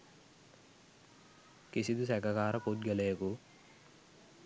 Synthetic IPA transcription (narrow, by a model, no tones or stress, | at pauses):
kisid̪usɛkɐkaːɾɐpud̪̚ɡɐlɐjɐku